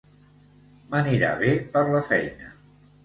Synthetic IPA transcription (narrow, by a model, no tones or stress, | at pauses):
məniɾa̰βepəɾləfɛjnə̰